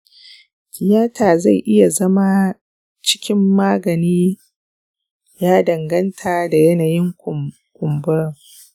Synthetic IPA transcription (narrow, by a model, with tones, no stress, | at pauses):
kʲɪ˨jaː˦tʰaː˨za˦˨jʔɪ˦ja˨zɐ˦ma˦ | t͡ʃɪ̥˦kʲɪ˦mːaː˦ɡɐ˨niː˦ | jaː˦dɐ˨ŋɡɐ˦ntʰaː˨da˨jɐ˦naː˨jɪ˦ŋ | kʷʊ˨mbʊ˦ɾŋ